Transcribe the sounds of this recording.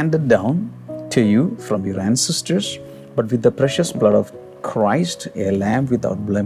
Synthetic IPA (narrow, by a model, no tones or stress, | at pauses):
æ̃ɳɖəɖ̚ːãʊ̃n | ʈʰujufɾɔ̃mjɔɾæ̃nsɛsʈəɾs | bʌʈʋɪd̪ːəpɾɛʃəsblʌɖɔʋ | kʰɾaɪsʈelæ̃mʋɪt̪ʰa̰ʊʈ̚blɛ̃